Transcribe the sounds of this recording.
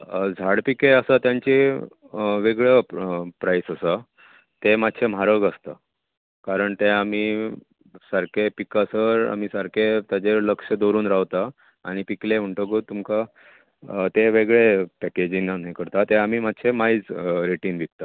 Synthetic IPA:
d͡zʱaɽpikeəsat̪jaɲt͡ɕi | ʋeɡɭəpɾajsəsa | t̪emat̪ːɕʰem̤aɾəɡəst̪a̰ | kaɾəɳt̪eam̤iː | saɾkʰepikasəɾa̰m̤isaɾkʰet̪jad͡ʑeləkʂəd̪oɾuːnɾaʋt̪a̰ː | ɽ̃ipiklem̤əɳʈəɡot̪ːumka | t̪eʋeɡɭepɛked͡ʑinːanẽkəɾt̪at̪eam̤iːmat̪ːɕʰemait͡sɾeʈiːnʋik̚t̪a

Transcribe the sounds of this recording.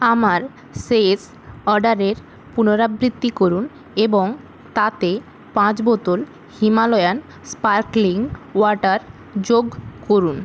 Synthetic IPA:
amaɾ | ses | ɔɾɖaɾeɾ | punoɾabɾit̪ːikoɾun | eboŋ | t̪at̪e | pãt͡ɕbɔt̪ol | himalɔjan | spaɾkliŋwɔʈaɾ | d͡ʑoɡkoɾun

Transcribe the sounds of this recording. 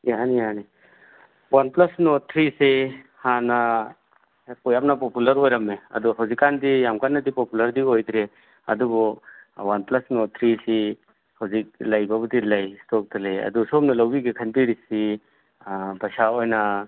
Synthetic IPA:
anijani | wanplɐsnɔt̪ʰɾisehana | kɔjam̚napɔpulɐɾojɾɐmːeɐ̰d̪ɔɦawzikːandijamkanːɐdipɔpulɐɾdiojdɾe | ɐ̰dubɔwanplɐsnɔt̪ʰɾisi | hawzik̚lɐjbabudilɐjstɔk̚dɐlejɐ̰d̪usɔmnɐlɐwbiɡikʰanpiɾisi | basaojna

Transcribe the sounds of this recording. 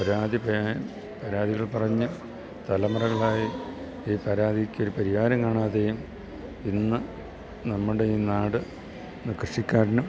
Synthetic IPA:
pɐɾaːd̪ipː | pɐɾaːd̪iɣɐɭpɐrɐɲːɨ | t̪ɐlɐmɐrɐɣɐɭaːji | iːpɐɾaːd̪ʱikʲːoɾupɐɾihaːɾɐmkaːɳaːðejum | inːɨ | nɐmːuɽe̞iːnaːɽɨ | nkrɨʂikʲːaːɾɐnɐ

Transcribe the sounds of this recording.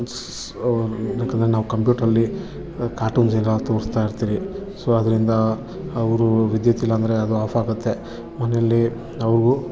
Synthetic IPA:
aːkɐnd̪ɾenaːʋukɐmpjuːʈɾɐlːi | kaːɾʈuːnsiɾɐt̪o̞ːɾst̪aːjiɾt̪iːɾisoɐd̪ɐɾind̪ɐː | ʋɾuʋid̪jɐt̪ilːɐnd̪ɐɾeɐd̪uaːfʰaːɡut̪ːe̞ | mɐnejɐlːi | ɐʋɾɡu

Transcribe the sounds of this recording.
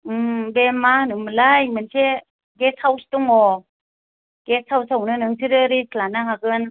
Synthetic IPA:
bemanɯmlajmɯnse | ɡesawsi̥tɔŋɔ | ɡ̥esawsawnɯnɯŋtʰiɾɯɾisʰlanaɦaɡɯn

